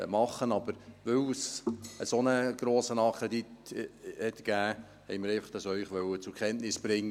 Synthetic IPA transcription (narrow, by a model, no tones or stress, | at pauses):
mɑχːənɑb̥əɾʋɵwsəsonəɡ̥ɾoːsənɑkʰɾɛd̪it̪hɛt̪ɡ̥æː | hɛ̰ɪmɪɾɛɪfɑ̥χd̥ɑsœʏχʋœwət͡sʊɾkʰɛntnɪsb̥ɾɪŋː